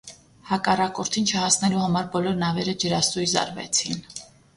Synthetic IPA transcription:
hɑkɑrɑkɔɾt̪ʰint͡ʃʰəhɑsnɛluhɑmɑɾbɔlɔɾnɑvɛɾəd͡ʒəɾɑsujzɑ̰ɾvɛ̰t͡sʰin

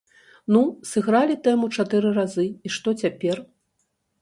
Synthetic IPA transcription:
nusɨɣɾalʲit̪ɛmut͡ʂat̪ɨɾɨrazɨiʂt̪ɔt͡sʲapʲɛr

